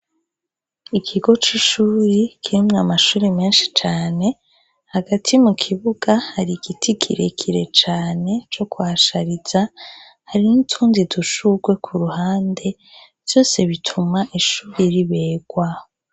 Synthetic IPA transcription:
ikʰiɡo̞t͡ʃiʃuːɾekʰiɾimŋamaʃuːɾemeːnʃi̥t͡ʃaːne̞ | haɡatʰimukʰiβuɡahaɾiɡitʰiɡḭɾḛkʰiɾe̞̰t͡ʃaːne̞t͡ʃo̞kuaʃaɾiz̥a | haɾinitʰuːndiduʃuɡwe̞kʰuɾuhaːnde̞ | v̥jo̞ːse̞βitʰumaʔiʃuːɾeɾiβe̞ːɡ̥waːho

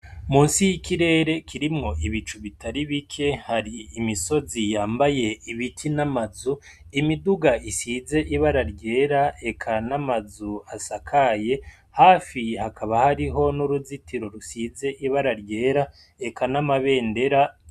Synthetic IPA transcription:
muːnsijikʰiɾe̞ːɾe̞kʰiɾimŋo̞ʔiβit͡ʃuβitaɾiβikʰe̞haɾiːmiso̞zijaːmbaje̞iβitʰinamazu | imiduɡaʔisize̞ʔiβaɾaɾɟe̞ːɾae̞kʰanamazuasakʰaje̞ | haːfihakʰaβahaɾiɦo̞nuɾuzitiɾo̞ɾusiːze̞ʔiβaɾaɾɟe̞ːɾa | ekʰanamaβe̞ːnde̞ɾa

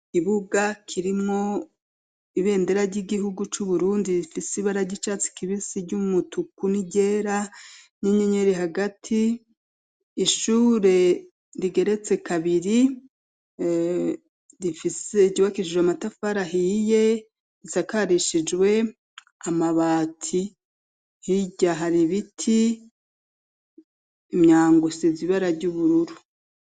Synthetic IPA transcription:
kiβuɡakʰiɾimŋo̞ | iβe̞ːnde̞ɾaɾɟiɡiɦuɡut͡ʃuβuɾuːndiɾifisiβaɾaɟit͡ʃat͡si̥kiβisiɟumutukuniɟe̞ːɾaɲeɲeɲeɾiɦaɡatʰi | ʃuːɾe̞ | ɾiɡe̞ɾe̞t͡se̞kaβiɾi | ɾifiseɟuβakiʃid͡ʒwamatafaɾaɦije̞ | izakaɾiʃid͡ʒwe̞ | amaβaːtʰi | hiɟaɦaɾiβitʰi | mɲaːŋɡusiziβaɾaɾɟuːβuɾuɾu

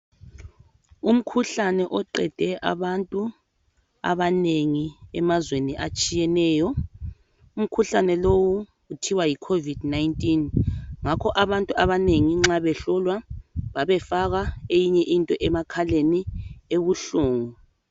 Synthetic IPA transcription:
um̩kʰuɬanɛʔɔǃɛ̰d̥ʱɛʔa̰βantʼu | a̰βaneŋiɛmazweniʔat͡ʃʼijɛnɛːjɔ | um̩kʰuɬanɛlowuː | tʰiwajikʰovidnajintʼinŋakʰɔʔaβantʼuaβaneŋiŋ͡ǁaβɛɬɔlwaβaβɛfaɣaejiɲɛʔintʼɔʔɛmakʰalenieβuɬoːŋu

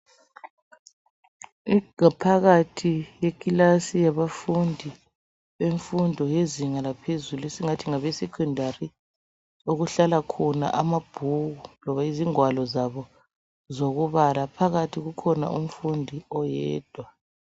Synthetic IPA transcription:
iŋapʰaɣatʰijekʼilasijaβafundʱi | βeɱfundʱɔjeziŋalapʰezuluesiŋatʰiŋaβesɛkʰɔndʱari | oɣuɬalakʰɔna̰ʔamab̥ʱuɣulɔβaiziŋwalɔzaβɔ | zoɣuβalapʰaɣatʰiɣukʰɔna̰ʔum̩fundʱiɔjɛːd̥ʱwa

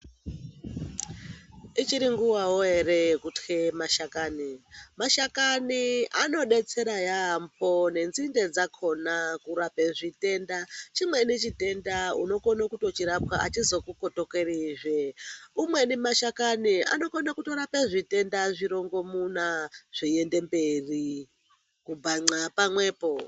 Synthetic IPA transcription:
it͡ʃiɾiŋɡuwawoe̞ɾekutkemaʃakaːnimaʃakaniʔano̞ɗe̞t͡se̞ɾajampo̞ne̞nzinde̞d͡zakʰo̞nakuɾapeʐite̞ndat͡ʃimwe̞net͡ʃite̞ndaṵno̞konakuto̞t͡ʃiɾap̚waʔa̰t͡ʃizo̞kukoto̞keriʐeumwenimaʃakania̰no̞konakuto̞ɾapeʐite̞ndaʐiɾo̞ŋɡo̞munaʐ̥iende̞mberi | kub͡vaŋ͡ǀapamwe̞ːpo

